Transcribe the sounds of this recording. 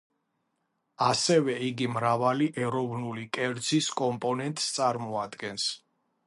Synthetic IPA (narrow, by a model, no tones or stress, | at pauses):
asɛvɛiɡimɾavaliʔɛɾɔvnulikʼɛɾd̪ziskʼɔmpʼɔnɛnt̪ʼst̪sʼaɾmɔad̪ɡɛns